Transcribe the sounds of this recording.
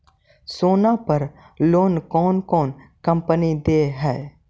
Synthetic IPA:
soːnapəɾ | loːnkɔːnkɔːnkɐ̃mpənid̪eːɦɛː

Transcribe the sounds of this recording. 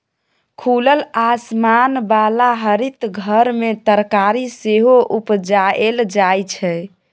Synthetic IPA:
kʰuləlasmanbalaɦəɾit̪ɡʱəɾmet̪əɾkaɾiseɦoʔupd͡ʒaeld͡ʒajt͡ʃʰɛ

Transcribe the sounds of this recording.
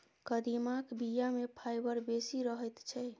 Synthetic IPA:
kəd̪imakbijamepʰajbəɾbesiɾəɦəjt̪t͡ʃʰɛ

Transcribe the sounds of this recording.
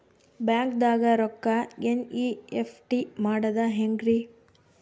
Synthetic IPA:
bjaːŋkd̪aːɡɐɾɔkːɐeniepʰʈimaːɽɐd̪ɐɦeŋɡɾi

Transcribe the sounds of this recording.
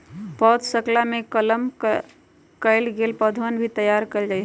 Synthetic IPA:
pəd̪səklamekələm | kəɪlɡelpəd̪ʱʋənbʱit̪əjaɾkəld͡ʒajɦ

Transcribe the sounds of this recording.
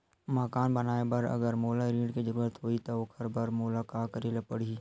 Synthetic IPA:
məkaːnbənaːebɐɾɐ̰ɡəɾmoːlaɾĩːɖked͡ʒəɾuːɾət̪ɦoːit̪ookʰɐɾbəɾmoːlakaːkəɾeːlapəɽi

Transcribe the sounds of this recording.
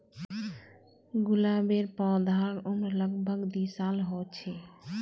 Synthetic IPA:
ɡulabeɾpɔ̃d̪ʱaɽomɾləɡbʱəɡd̪isalɦɔt͡ʃʰe

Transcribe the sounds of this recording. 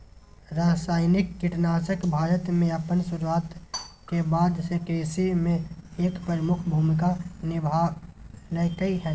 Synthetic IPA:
ɾaːsaːɪnɪkːɪʈnaːsəkbʱaːɾət̪mẽɐpənsʊɾwaːt̪kebaːd̪sekeːsimẽeːkpəɾəmʊkʰbʱuːmɪkanɪbʱa | nəkəiɦɛː

